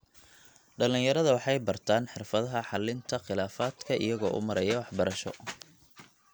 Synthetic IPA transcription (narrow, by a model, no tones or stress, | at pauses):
ɖɐlɪnjɐɾɐðɐwɑħɑjbɐrt̪ʰaːnħɪrfɐðɐɦɐħɑlɪnt̪ʰɐχɪlaːfaːd̪kʰɐʔɪ̰jɐɣɔːʔʊ̰mɐɾɐjɐwɑħbɐɾɐʃɔ̰